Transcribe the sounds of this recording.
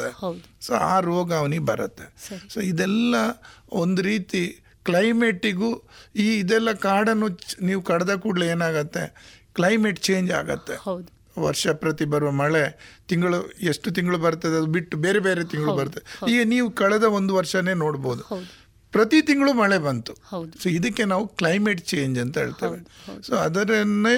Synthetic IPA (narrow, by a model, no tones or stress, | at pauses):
ɐd̪eso̰ːa̰ːɾoːɡaːʋnibɐɾɐt̪ːe̞soːid̪ɛlːɐond̪uɾiːt̪i | klɐjme̞ʈːiɡuːiːd̪ɛlːɐkaːɽɐnːuniːʋukɐɽɐd̪ɐkuːɽleeːnaːɡɐt̪ːe̞̰klɐjmeʈt͡ʃeːɲd͡ʒa̰ːɡɐt̪ːe̞d̪ | ʋɐ̰ɾʂɐpɾɐt̪ibɐɾuʋɐmɐɭet̪iŋɡɐɭueʂʈut̪̬iŋɡɐɭubɐɾt̪ɐd̪eɐd̪ubiʈːubeːɾebe̞ːɾet̪iŋɡɐɭubɐɾt̪ːɐd̪eiːɡɐniːʋukɐɭɛd̪ɐo̞nd̪uʋɐɾʂɐne̞ːno̞ːɽbo̞ːd̪u | pɾɐt̪it̪iŋɡɐɭumɐɭebɐnt̪u̥soːid̪ɐkːe̞naːʋuklɐjmeʈt͡ʃe̞ːɲd͡ʒɐnt̪ɐɦeːɭt̪ɐ̰ːʋesoːɐd̪ɐɾɐnːe